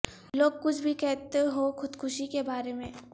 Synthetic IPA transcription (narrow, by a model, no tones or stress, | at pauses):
loːɡ̚kʊt͡ʃʰbʱikɛɦt̪eɦoxʊd̪kʰʊʃikebaːɾemẽː